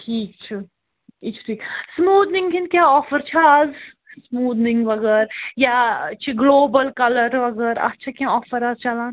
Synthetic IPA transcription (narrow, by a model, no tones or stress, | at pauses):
ʈʰiːk̚t͡ʃʰi | it͡ʃʰt̪ʰiːksmuːd̪nĩŋɡkʰinkʲjaːɔːfəɾt͡ʃʰaːz | smuːd̪niŋɡʋɐɡəɾjat͡ʃʰiɡloːbəlkɐləɾʋɐɡəɾɐ̰tːt͡ʃʰakjãɔːfəɾaːzt͡ʃɐlãːn